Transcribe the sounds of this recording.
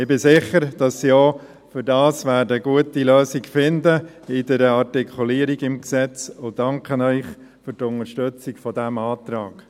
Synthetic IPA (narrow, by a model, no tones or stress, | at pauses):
ɪbɪsɪχəɾd̥ɑsːiɔː | fʏɾdɑːsʋæːɾdəəɡuətiløːsikfɪndə | ɪd̥ɛɾəɑrtikʰχuliːəɾiɡɪmksɛt͡sʊdɑŋkχənœʏχ | fʏɾtʊnəʃtøt͡sikfɔd̥æmɑːt̪ɾɑːɡ̥